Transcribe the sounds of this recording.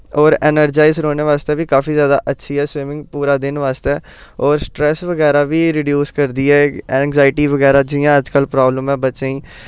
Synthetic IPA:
ɔːɾɛːnəɾd͡ʒaːɪzɾoːneːʋaːst̪eːʋiːkaːfiːzjaːd̪a̰ːʔətːʃʰiːɛːswɪmɪ̃ŋɡpuːɾaːd̪ɪnʋaːst̪ɛː | ɔːɾsʈɾɛːsʋəɡɛːɾaːʋiːɾɪɖjuːskəɾd̪iːɛːɛ̃ːŋɡzaːɪʈiːʋəɡɛːɾaːd͡ʒɪjãːəd͡ʒkəlpɾɔːbləmɛ̃ːbət͡ʃeiː

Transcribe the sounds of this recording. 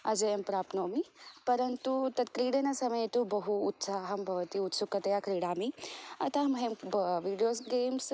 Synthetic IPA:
ɐ̰d͡ʒɐjɐmpɾaːpnoːmipɐɾɐnt̪ut̪ɐt̪kɾiːɽɐnasɐmɐjt̪ubɐɦuːt̪saːɦɐmbʱɐʋɐt̪iut̪sukːɐt̪ɐjakɾiːɽaːmiɐt̪amɐɦemʋiːɖijoːsɡeːms

